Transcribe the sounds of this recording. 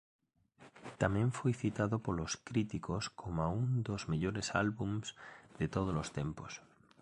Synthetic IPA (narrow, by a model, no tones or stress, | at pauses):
t̪amjẽɱfojθit̪aðopoloskɾit̪ikoskʰomaund̪o̞zmeʎoɾesalβumz̥ð̥et̪oð̞olost̪e̞mpos